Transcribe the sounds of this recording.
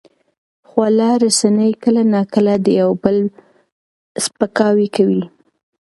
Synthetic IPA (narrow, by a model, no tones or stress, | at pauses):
xwalɑɾasanəjkəlanɑkəlad̪əjawbəl | spəkɑwikawi